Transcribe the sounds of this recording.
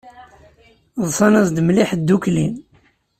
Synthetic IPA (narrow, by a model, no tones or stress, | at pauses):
ðˤsˤɑnæsd̪mliħd̪ːuklin